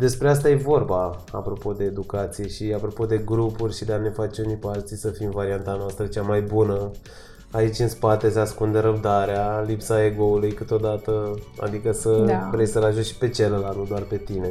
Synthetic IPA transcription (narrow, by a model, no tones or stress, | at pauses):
d̪e̞spɾe̞as̬t̪aje̞vo̞rbaa̰pɾo̞po̞d̪e̞ːd̪ukat̪sije̞ʃiapɾo̞po̞d̪e̞ɡɾupurʲʃid̪eanefat͡ʃunipealt̪sisəfimvaɾiant̪anoast̪ɾət͡ʃamajbunə | ait͡ʃʲɨnspat̪e̞seaskund̪e̞ɾəb̚d̪aɾealipsae̞ɡo̞ulujkɨt̪o̞d̪at̪əa̰d̪ikəsəvɾejsəlaʒuʃi̥pe̞t͡ʃelelanud̪oarpe̞t̪ine̞